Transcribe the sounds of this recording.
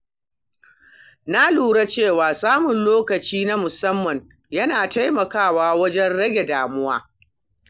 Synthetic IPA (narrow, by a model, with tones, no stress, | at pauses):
na˦luː˨ɽa˦t͡ʃeː˦˨waː˨saː˦mʊ˨nloː˦kɐ˨t͡ʃiː˦na˦mʊ˨sɐ˦mːɐ˨ɲ | jɐ˦naː˨ta˦jmɐ˨kaː˦˨waː˦wɐ˦d͡ʒɛ˦nɽɐ˦ɡʲe˨daː˨mʊ˦waː˦